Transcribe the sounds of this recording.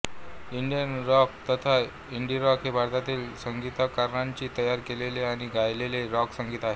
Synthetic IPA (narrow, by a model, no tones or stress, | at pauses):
iɳɖijənɾɔk̚t̪ət̪ʰa | iɳɖiɾɔkɦebʱaɾt̪at̪iːlsəŋɡit̪əkaɾɳaɲt͡ɕiːt̪əjaɾkeleleaɽ̃iɡajleleɾɔksəŋɡiːt̪aɦe